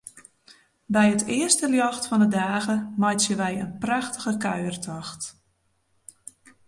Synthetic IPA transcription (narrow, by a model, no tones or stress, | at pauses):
bɛjətɪərstəljɔxtfɔndədaːɣəmɔjtjəʋɛjənpraxtəɣəkœ̰ɥərtʰɔxt